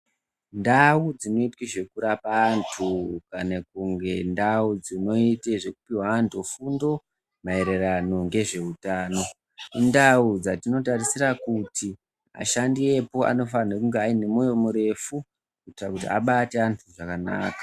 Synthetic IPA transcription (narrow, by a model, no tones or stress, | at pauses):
ndaud͡zino̞itkweʐe̞kuɾapaːntʰukanakuŋɡe̞ndaud͡zino̞iteʐe̞kupiwaːntʰufundo̞ | mae̞ɾe̞rano̞ŋɡe̞ʐe̞utaːno̞ | indaud͡zatino̞tarisiɾakuti | a̰ʃandie̞po̞a̰no̞fanekuŋɡeaine̞mojomuɾe̞fu | kuitrakutḭa̰ɓate̞antʰuʐakana̰ːkḁ